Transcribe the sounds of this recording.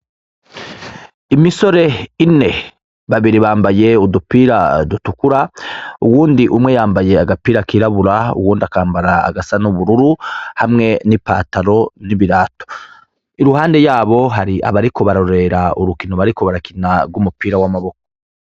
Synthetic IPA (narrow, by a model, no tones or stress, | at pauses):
imiso̞ɾe̞ine̞ | βaβiɾiβaːmbaje̞udupiɾadutukuɾauwuːndiʔumŋe̞jaːmbaje̞aɡapiːɾakiːɾaβuɾaṵwuːndiakaːmbaɾa̰ːɡasanuβuɾuɾuhamŋe̞nipaːtaɾo̞niβiɾaːto̥ | iɾuhaːnde̞jaːβo̞ɦaɾia̰βaɾiko̞βaɾoɾe̞ɾauɾukinoβaɾiko̞βaɾakinaɾɡumupiːɾawamaβo̞ko